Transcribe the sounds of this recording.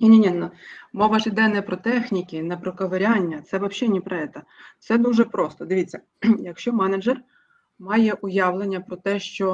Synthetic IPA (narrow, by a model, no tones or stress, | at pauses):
nʲinʲinʲinɔmɔʋɐʒɪd̪ɛnɛpɾɔt̪ɛxnʲikʲɪnɛpɾɔkɐʋeɾʲɑnʲːɐt̪sɛʋɐpʃʲɛnʲipɾɐɛt̪ɐsɛd̪uʒɛpɾɔst̪ɔd̪ɪʋʲit͡sʲːɐ | jɐkʃt͡ʃɔmɛnɐd͡ʒɛr | mɑjɛʔʊjɑʋlˠenʲːɐpɾɔt̪ɛʃt͡ʃɔ